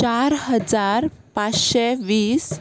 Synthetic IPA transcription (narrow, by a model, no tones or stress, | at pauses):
t͡ɕaɾɦəd͡zaɾpat͡sɕeʋiːs